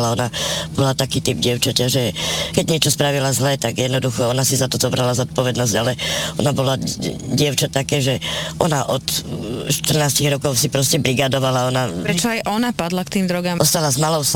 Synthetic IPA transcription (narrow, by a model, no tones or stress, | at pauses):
laɔnab̥ɔlat̪akiːt̪ib̚ɟɪɛʊt͡ʃacaʒɛkɛɟɲɪɛt͡ʃɔspɾaʋilazlɛt̪aɡjɛd̪nɔd̪uxɔɔnasizat̪ɔzɔbɾalazɔt̪̚pɔʋɛd̪nɔzɟalɛɔ̰nabɔlaɟɪɛʊt͡ʃat̪akɛːʒɛʔɔnaʔɔt̪ʃt̪r̩naːsciɣɾɔkɔʊsipɾɔscɛbɾiɡad̪ɔʋalaɔnapɾɛt͡ʃɔajʔɔnapad̪lakt̪iːmd̪ɾɔɡamɔst̪alazmalɔʊs